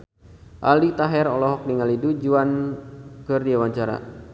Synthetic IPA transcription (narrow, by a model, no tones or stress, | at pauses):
ʔa̰lit̪aɦɛɾɔlɔɦɔk̚niŋalidud͡ʒuan | kɨrdiawaɲt͡ʃaɾa̰